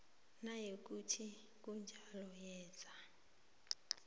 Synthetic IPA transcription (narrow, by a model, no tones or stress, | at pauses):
najek̬utʰi | k̬und͡ʒʱalɔjɛ̥ːd͡z̥ʱa